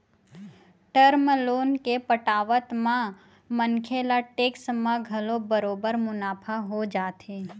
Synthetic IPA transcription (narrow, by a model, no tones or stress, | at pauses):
ʈəɾməloːnkepəʈaːʋət̪mã | mənkʰeːlaʈeːksmãɡʱɐlõbəɾoːbəɾmʊnaːpʰaɦod͡ʒaːt̪eː